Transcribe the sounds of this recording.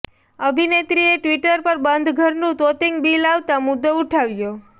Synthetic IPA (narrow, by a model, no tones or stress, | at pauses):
əbʱinet̪ɾieʈʋiʈəɾpəɾbənd̪ʱɡʱəɾnũt̪ot̪iŋɡbilaʋt̪amʊd̪ːouʈʰaʋjo